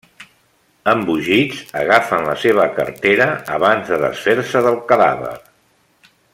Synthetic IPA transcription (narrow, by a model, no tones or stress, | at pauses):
əmbuʒid͡zəɣafənləseβ̞əkəɾt̪eɾəəβanzðəðə̰sfeɾsəðəlˠkəða̰βə̰ɾ